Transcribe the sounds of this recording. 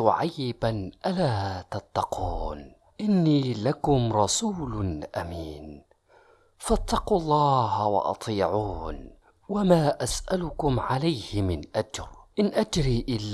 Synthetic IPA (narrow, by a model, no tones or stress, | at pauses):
ʕajːɪbanʔalaːt̪ɑt̪ːɑqʰuːn | ʔɪnːiːlakʊmɾˤɑsuːlnʔamiːn | fat̪ːɑqulˤːɑːhwɑ̰ʔɑ̰t̪ˤiːʕuːn | wamaːʔasʔalʊkʊmʕalajhɪmɪnʔad͡ʒɾʔɪnʔad͡ʒɾiːʔɪlː